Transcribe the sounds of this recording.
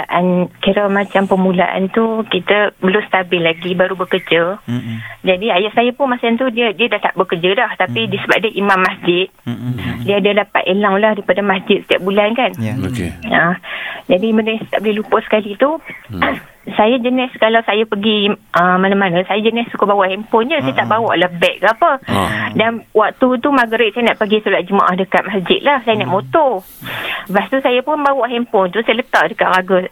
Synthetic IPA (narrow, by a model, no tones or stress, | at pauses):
aʔankiɾəmat͡ʃampəmula̰ʔa̰nt̪ukit̪əbəlʊmsə̥t̪abɪlaɡibaɾubəkərd͡ʒə | d͡ʒadiajaʔsajəpʊnmasaant̪udiədiədaht̪aʔbəkəd͡ʒədɔht̪apidiəsəba̰p̚diəʔimamːasd͡ʒɪt̪̚diəadəlapa̰ʔ̪elaŋlahdaipadəmasd͡ʒɪt̪̚ə̥t̪ia̰ʔ̚bulankan̰ | əd͡ʒadimənəst̪a̰ʔbəlɪhlupʊsə̥kalit̪u | sajad͡ʒənɪskalawsajapəɡiʔəmanamanə̃sajəd͡ʒənɪssukobawaʔhɛmpɔnd͡ʒəsajət̪aʔbawɔ̰ʔləbɛʔ̚kəapədanwak̚t̪ut̪umaɡɾɪt̪̚sajənaʔpəɡisulat̪ʔ̪̚d͡ʒəma̰ʔahdəkat̪̚masd͡ʒɪt̪̚lahsajənaʔmot̪ɔ | past̪usajapʊnbawɔʔhɛmpɔnt̪usajələt̪aʔdəkaʔ̪ɾaɡa